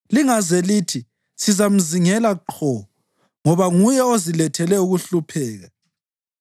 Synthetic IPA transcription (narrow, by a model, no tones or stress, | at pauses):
liŋazɛlitʰi | sizam̩ziŋɛlaǃʰɔɔ | ŋɔβaŋujɛozilɛtʰɛlɛuɣuɬupʰɛːɣa